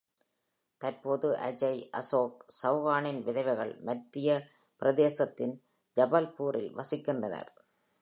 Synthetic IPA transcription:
t̪ɐɾpoːðɯʔɐ̰d͡ʒɐɪʔɐ̰soːksɐʋʋaːnɪnʋɪðɐɪʋɐɣɐɭmɐʈʈɾɪjɐ | pɪɾɐðeːsɐt̪ːɪn | d͡ʒɐbɐlpuːɾʔɪ̰lʋɐsɪkːɪndrɐnɐ̰ɾ

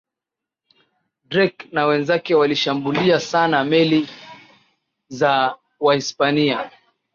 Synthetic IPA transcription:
dɾɛknawɛnzakɛwaliʃambuliasanamɛli | za | waispania

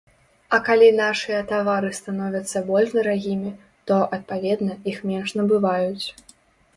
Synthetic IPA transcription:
ɐkalʲinaʂɨjɐt̪avaɾɨst̪anɔvʲɐt̪sːɐbɔlʲʂd̪ɐɾaɣʲimʲi | t̪ɔʔɐt̪̚pavʲɛd̪nɐixmʲɛnʂnɐbɨvajut͡sʲ

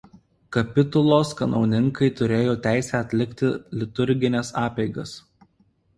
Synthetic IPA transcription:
kɐpʲɪt̪ʊlˠoːskɐnɒʊnʲɪŋkɐɪt̪ʊɾʲeːjoːt̪ʲæˑɪsʲæːɐt̪ʲlʲɪkʲt̪ʲɪlʲɪt̪ʊɾʲɡʲɪnʲɛsɑːpʲɛɪɡɐs

